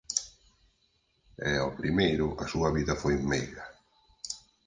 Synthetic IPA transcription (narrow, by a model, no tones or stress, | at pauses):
ɛɔpɾimejɾʊʔɐsuɐβiðɐfojmejɣɐ